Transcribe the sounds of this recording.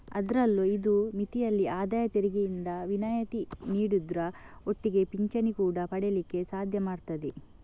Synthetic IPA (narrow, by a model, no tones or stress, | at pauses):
ɐ̰d̪ɐɾɐlːuid̪umit̪ijɐlːiaːd̪aːjɐt̪eɾiɡejind̪ɐʋinaːjɐt̪iniːɽud̪ɾɐo̞ʈːiɡe̞piɲt͡ʃɐnikuːɽɐpɐɽelikːe̞saːd̪ʱjɐmaːɽt̪ɐd̪e